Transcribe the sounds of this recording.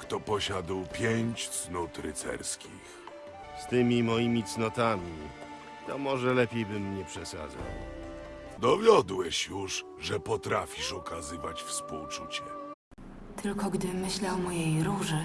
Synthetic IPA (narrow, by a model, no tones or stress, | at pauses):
kt̪ɔpɔɕad̪wpʲjeɲt͡ɕt̪snɔt̪ɾɘ̰t̪sɛ̰ɾskʲʰḭx | st̪ɘmʲimɔjimʲit̪snɔt̪amʲi | t̪ɔmɔʐɛlɛpʲjejbɘmːɲɛpʂɛsa̰d̪za̰w | d̪ɔvʲjɔd̪wɛɕjuʂ | ʐɛpɔt̪ɾafʲiʂɔkazɘvat͡ɕfspṵwt͡ʂṵt͡ɕɛ | t̪ɘlkɔɡd̪ɘmɘɕlawmɔjejɾuʐɘ